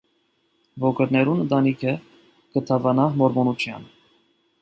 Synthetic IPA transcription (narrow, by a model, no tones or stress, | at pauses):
vɔɡəɾnɛɾunənd̪ɑnikʰə | ɡ̥ət̪ʰɑvɑnɑmɔɾmɔnut͡ʃʰjɑ̰n